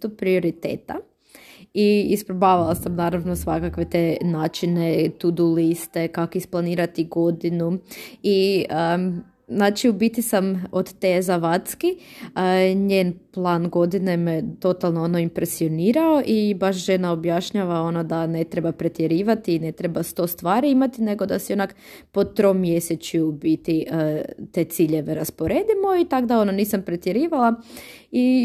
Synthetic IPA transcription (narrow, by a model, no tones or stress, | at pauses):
t̪upɾio̞ɾit̪ḛːt̪a̰ | iispɾobaːʋalˠasamnaːɾaʋnosʋakakʋe̞t̪enaːt͡ʃine̞t̪ud̪ulist̪e̞kakoisplˠaniːɾat̪iɡo̞d̪inuiə | znaːt͡ʃiubit̪isamod̪t̪ezaʋat̪ski | ɲeːnplˠaːnɡo̞d̪ine̞met̪o̞t̪alˠnoono̞impɾesio̞niːɾao̞ʔibaʃʒe̞naobjaʃɲaʋao̞nod̪ane̞t̪ɾebapɾet̪jeɾiːʋat̪iːne̞t̪ɾebast̪o̞st̪ʋaːɾiimat̪ine̞ɡo̞d̪asionak | po̞t̪ɾo̞ːmːje̞set͡ɕjuːbit̪it̪e̞ːt̪siʎe̞ʋeɾaspo̞ɾe̞ːd̪imo̞it̪aɡd̪ao̞noniːsampɾet̪jeɾiːʋalˠa | i